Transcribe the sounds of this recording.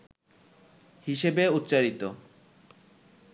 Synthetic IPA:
hiʃebeut̪ːɕaɾit̪o

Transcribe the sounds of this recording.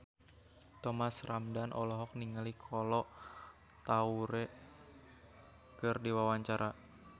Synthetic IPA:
t̪ɔmasramdanʔɔ̰lɔɦɔk̚niŋalikʰɔlɔ | t̪auɾɛ | kɨrdiwawaɲt͡ʃaɾʔa

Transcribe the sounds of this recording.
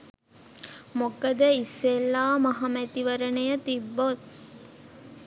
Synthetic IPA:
mokəd̪əisːelːaːmɐɦɐmæt̪iʋəɾənəjət̪ibːot̪̚

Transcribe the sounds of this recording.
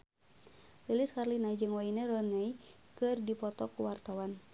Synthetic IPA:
lilɪskarlinaid͡ʒɨŋwainəɾɔnaikɨrdipɔt̪ɔkuwart̪awan

